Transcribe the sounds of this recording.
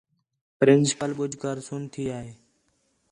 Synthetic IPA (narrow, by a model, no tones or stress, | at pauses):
pɾɪnsɪ̥pəlɓʊd͡ʒkaːɾsʊnt̪ʰiːaːɦeː